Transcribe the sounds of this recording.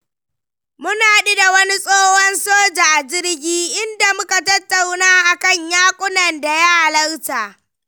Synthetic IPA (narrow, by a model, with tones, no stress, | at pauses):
mʊ˦naː˨ɗi˦da˨wɐ˦ni˦sʼoː˦hɔ˦nsoː˦d͡ʒa˨ʔa˨d͡ʒɪ˦ɽɡʲiː˦ʔɪ˦nda˨mʊ˦ka˨tɐ˦tːa˨wnaː˦ʔa˨kɐ˦˨ɲjaː˦kʷʼʊ˦nɐ˨nda˨ja˦ha˨lɐ˦rtaː˨ʔ